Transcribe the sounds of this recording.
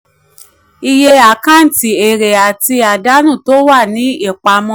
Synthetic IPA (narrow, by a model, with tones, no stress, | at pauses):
i˧je˧a˨kã˦n̩˨ti˨e˨ɾe˨a˨ti˧a˨da˨˦nũ˦˨to˨˦wa˦˨nĩ˨˦e˦˨k͡pa˧mɔ̃˧˦